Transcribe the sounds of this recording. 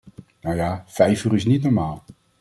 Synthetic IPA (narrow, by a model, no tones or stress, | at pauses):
nowjaːfɛjfyːɾɪs̬nitnɔɹmaːlˠ